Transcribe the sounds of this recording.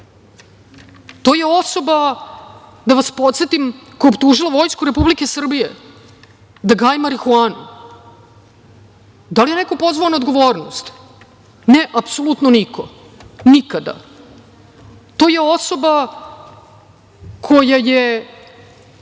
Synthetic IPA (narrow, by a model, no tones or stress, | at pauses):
t̪o̞ːjeo̞so̞ba | d̪aʋaspot̪set̪imkoobp̚t̪uʒilaʋo̞jskuɾe̞publike̞sr̩bije | d̪aɡaːjmaɾixuaːnṵ | d̪alijeneko̞po̞zvʋaonaod̪ɡo̞ʋoːɾno̰st̪ | neʔapsolˠut̪nonikʰo | nikad̪a̰ | t̪o̞ːjeo̞so̞ba | kʰo̞jaje